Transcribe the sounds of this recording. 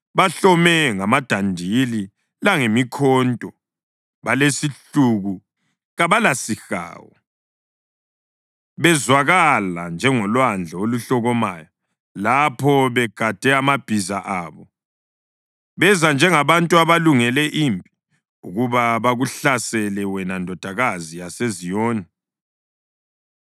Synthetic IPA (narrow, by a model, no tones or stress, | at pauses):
βaɬɔmɛŋamad̥ʱandʱili | laŋemikʰɔːntʼɔ | βalesiɬuɣu | ɣaβalasixa̰ːwɔ̰ | βɛzwaɣala̰nd͡ʒʱɛŋɔlwand͡ɮʱaoluɬɔɣɔmaja | lapʰɔβɛɡ̥ʱad̥ʱɛamab̥ʱizaʔaːβɔ | βɛzand͡ʒʱɛŋaβantʼuaβaluŋɛlɛʔimbʱi | uɣuβaβaɣuɬasɛlɛwɛnandʱɔd̥ʱaɣazijasezijoːni